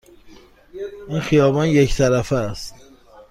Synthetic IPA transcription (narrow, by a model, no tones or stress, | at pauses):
ʔinxijɒːbɒnject̪ʰæɾæfææst̪